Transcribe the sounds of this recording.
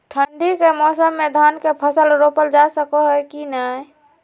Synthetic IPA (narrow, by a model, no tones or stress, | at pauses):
ʈʰəɳɖikemɔsəmːed̪ʱankepʰəsəlɾopəld͡ʒasəkɔɦɛkinə